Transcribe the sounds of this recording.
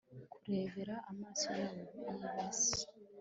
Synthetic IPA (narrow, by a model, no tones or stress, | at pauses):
kuɾe̞veɾaʔːmaːso̞jaːβoβuajuβasi̥